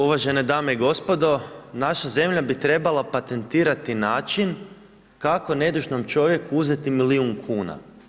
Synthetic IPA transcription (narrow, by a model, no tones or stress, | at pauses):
uʋaʒe̞ned̪aːmeiɡo̞spo̞d̪o̞naʃaze̞mʎabit̪ɾe̞balˠapat̪e̞nt̪iːɾat̪inaːt͡ʃin | kako̞ne̞d̪uʒno̞mt͡ʃo̞ʋje̞kuuze̞t̪imiliuŋkʰuːna̰